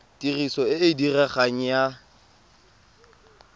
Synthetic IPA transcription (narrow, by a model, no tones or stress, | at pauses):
tirisɔɪɪdirɛχaŋ̩ja